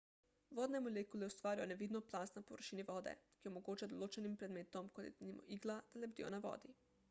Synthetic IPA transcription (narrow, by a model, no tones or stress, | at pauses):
ʋod̪nemolʲekuleost̪ʋaːɾioneʋid̪noplˠaːst̪napoʋəɾʃiːniʋoːd̪ḛkiomoɡut͡ʃad̪olot͡ʃenimpɾed̪meːt̪omkolḭt̪nimʔo̰ʔiɡlˠad̪̥alebd̪ḭo̰naʋo̰ːd̪i